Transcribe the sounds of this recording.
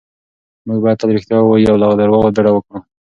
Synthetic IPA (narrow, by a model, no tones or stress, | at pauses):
muɡ̚bɑjad̪̚t̪ad̪ɾixt̪jɑwajuawlɑɣd̪aɾwɑɣod̪aɽawəkɽu